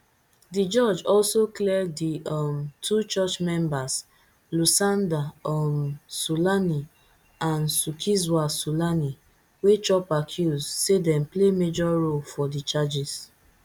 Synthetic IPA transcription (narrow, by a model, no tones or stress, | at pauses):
did͡ʒɔd͡ʒɔlsoklɛdiɔmtʰut͡ʃɔt͡ʃmɛ̃mbas | lusãndaɔmsulani | ãnsukʰizwasulani | wet͡ʃɔpakʰjuzsedɛ̃mplemed͡ʒɔɹolfɔdit͡ʃad͡ʒis